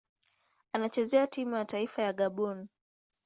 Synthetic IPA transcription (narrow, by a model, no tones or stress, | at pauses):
anat͡ʃɛzɛatimujataifajaɠaɓɔni